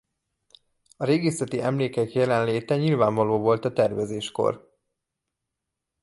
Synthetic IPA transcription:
ɒɾeːɡesɛt̪iʔɛmleːkɛkjɛlɛnleːt̪ɛɲilvaːɱvɒloːvo̞lt̪ɒt̪ɛrvɛzeːʃko̞̰r

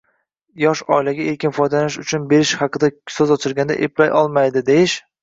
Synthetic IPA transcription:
jɒʃɒ̰ɪlaɡʲaeɾkʲɪnfɒjd̪alanɪʃʊt͡ʃʰʊnbe̞ɾɪʃhɑqʰɨd̪asɵzɒt͡ʃʰɪɾɡʲand̪a̰ʔeplajʔɒlˠmajd̪ɪd̪ejɪʃ

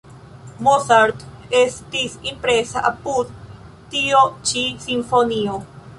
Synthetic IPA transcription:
mosaɾt̪est̪isimpɾesaʔapud̪ | t̪iot͡ʃisimfonio

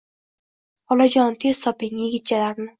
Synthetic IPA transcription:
ɒlˠad͡ʒɒnt̪ʰe̞z̥t̪ʰɒpɪŋjeɡʲɪt̪̚t͡ʃʰalaɾnɪ

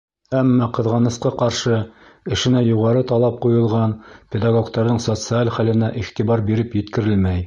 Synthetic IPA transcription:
æmːɑqɤ̆ðʁɑnɤ̆sqɑqɑɾʃɤ | ɘ̆ʃɘ̆næjuʁɑɾɤt̪ɑlˠɑp̚qujɤ̆lˠʁɑnpʲed̪ɑɡokt̪ɑɾðɤɴsot̪sɨalχælɘ̆næʔiχt̪ibɑɾbiɾɘpjɘ̆t̪kɘ̆ɾɘlmæj

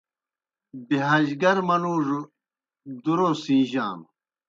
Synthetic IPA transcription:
biɦɐʑɡɐɾmɐnuːʐ | d̪uɾosĩːʑa̰ːm

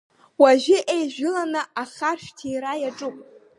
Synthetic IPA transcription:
waʒʷᶣɪʔejʒᶣʊlanɨaχarʃᶣtʰijɾajaʈ͡ʂʼupʷʼ

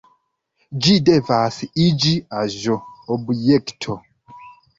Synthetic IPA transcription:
d͡ʒidɛvasiid͡ʒiaʒoobjɛktʰo

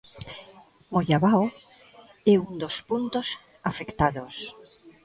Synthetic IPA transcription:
moʎaβaw | ɛund̪ospunt̪os | afekt̪aðos

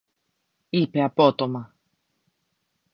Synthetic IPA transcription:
ipeapɔt̪ɔma

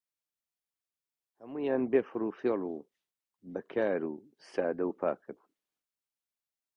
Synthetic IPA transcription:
hɐmuːjaːnbeːfɨɾuːfilˠu | bɐkʰaːɾṵːsaːd̪ɐwpʰa̰ːkʰɨɾn

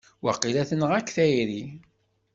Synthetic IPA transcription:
wa̰qːilæθənəʁækːθæjɾi

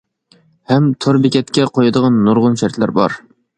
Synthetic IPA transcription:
hɛmt̪ʰoɾbɪkʲɛt̪kʲɛqʰojɨd̪əʁɑnːoɾʁʊnʃɛɾt̪læɾbɑ̰ɾ

